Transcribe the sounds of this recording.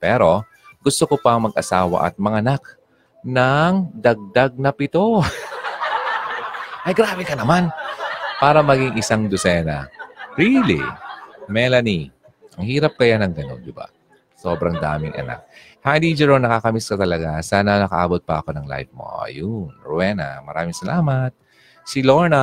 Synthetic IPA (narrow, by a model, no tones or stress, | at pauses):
pɛːɾo̞ | ɡ̥ʊst̪okopɐŋmɐɡʔɐsaːwɐ̰ʔɐ̰t̪̚mɐŋaɐnak̚ | nɐŋd̪ɐɡ̚d̪aɡ̚nɐpɪt̪o̞ | ʔɐjɡɾaːbɛkɐnɐmanpaːɾɐmɐɡiŋʔɪsaŋd̪osɛːnɐ̰ɹilḭmɛlɐni | ʔɐŋhiːɾɐp̚kɐjanɐŋɡ̪ɐno̞̰nd̪ɪba̰ | so̞ːbɾɐŋd̪a̰ːmɪŋʔɐ̰na̰k̚ | had̪id͡ʒɛɹonnɐkaːkɐmiskɐt̪ɐlɐɡasaːnɐnɐkɐʔa̰ːbot̪̚pɐʔɐ̰ko̞nɐŋla̰jvmo̰ɐ̰jʊnɹʊwɛnɐ̰mɐɾa̰ːmɪŋsɐlaːmɐt̪̚ | siloɹnɐ